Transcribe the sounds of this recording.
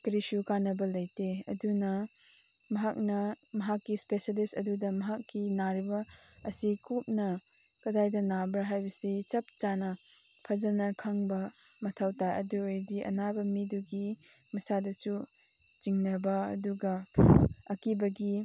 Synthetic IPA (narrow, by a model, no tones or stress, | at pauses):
kɾisukanɐbɐlɐjteɐ̰dunɐ | mɐɦak̚nɐ | mɐɦakːispesalistɐdudɐmɐɦakːinaɾibɐ | ɐsikup̚nɐ | kɐdajdɐnabɾaɦajbɐsit͡ʃɐp̚t͡ʃanɐ | pʰɐd͡ʒɐnɐkʰaŋbɐ | mɐtʰawtajɐ̰duejdiʔɐ̰nabɐmiduɡi | mɐsadɐsu | t͡ʃiŋnɐbɐɐ̰duɡɐ | ɐkibɐɡi